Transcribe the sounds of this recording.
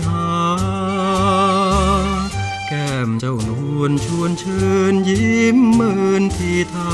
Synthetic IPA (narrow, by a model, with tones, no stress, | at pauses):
aː˧ | kɛː˧˩mt͡ɕa˧˩wnhu˧˩ənt͡ɕʰu˧˩ənt͡ɕʰɤː˧nji˦mːɤ˧nt̪ʰiː˧˩t̪ʰaː˧